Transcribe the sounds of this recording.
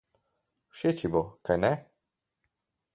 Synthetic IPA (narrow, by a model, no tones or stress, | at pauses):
ʃet͡ʃibokajnɛ